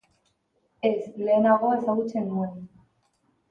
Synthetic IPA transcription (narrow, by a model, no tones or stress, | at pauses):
esle̞ːnaɣ̞o̞esaɣut͡se̞nuen